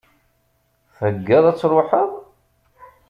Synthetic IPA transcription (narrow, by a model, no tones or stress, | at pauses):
θəɡːæðˤæt͡sːɾˤʊħəðˤ